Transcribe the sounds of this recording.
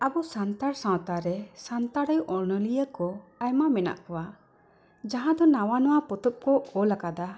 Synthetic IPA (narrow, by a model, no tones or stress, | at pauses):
abɔsant̪aɾsãwt̪aɾɛsant̪aɾəjʔɔɾnəlijəkɔajmamɛna̰ʔkɔwa | d͡ʒaɦãd̪ɔnawanɔwapɔt̪ɔp̚kɔɔlakad̪a